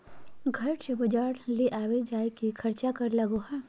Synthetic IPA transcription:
ɡʱɐɾt͡ʃbɐd͡ʒaːɾleʔaːwed͡ʒaːekikʰɐɾt͡ʃakɐɾlɐɡoːɦa

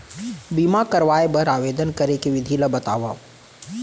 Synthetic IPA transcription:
bimakɐɾʋaːebɐɾaːʋeːd̪ənkɐɾekeʋɪd̪ʱiːləbɐt̪a̰ːʋa

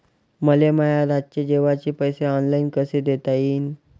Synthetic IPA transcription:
məleməjaɾat͡ɕed͡ʑeʋat͡ɕiːpəjseɔnlainkəsed̪et̪ajiːn

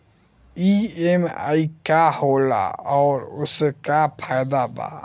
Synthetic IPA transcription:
iema̰ikahoːla̰ɔːɾʊskapʰajd̪aba̰

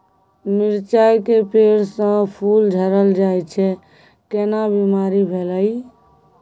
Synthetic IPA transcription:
miɾt͡ʃajkepeɽsə̃pʰuld͡ʒʱəɾəld͡ʒajt͡ʃʰɛ | kenabimaɾibʱeləj

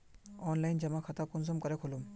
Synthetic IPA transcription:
ɔnlajnd͡ʒɐmakʰat̪akunsɔmkɐɾɛkʰolum

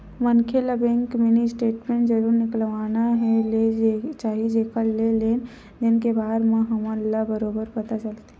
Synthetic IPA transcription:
mənkʰelabẽŋkminisʈeːʈmẽɳʈzəɾuːɾnɪklʋaːnaɦɛ̃let͡ʃaːɦid͡ʒekʰəlleleːn | d̪ɪnkebaːd̪mẽɦəmə̃lːabəɾobəɾpət̪at͡ʃəlt̪

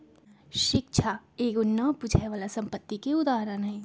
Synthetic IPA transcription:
ʃɪk̚ʃʰaeːɡʊnːəpʊd͡ʒʱɛʋaːlasɐ̃mpət̪ːikeʊd̪aːɦɾənɦɛ̃

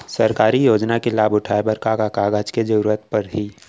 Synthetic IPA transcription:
səɾkaːɾijoːd͡ʒnakelaːbʊʈʰaːebəɾkakakaːɡad͡ʒked͡ʒəuɾət̪pɐɾɦiː

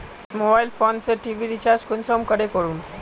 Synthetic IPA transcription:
mobailfont͡səʈiʋiɾit͡ɕaɾd͡ʑkunsɔmkəɽekəɾuːn

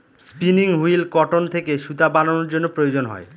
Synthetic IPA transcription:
spiniŋɦujlkɔʈont̪ʰekeʃut̪abanonoɾd͡ʑonːopɾojod͡ʑonɦɔ̰e

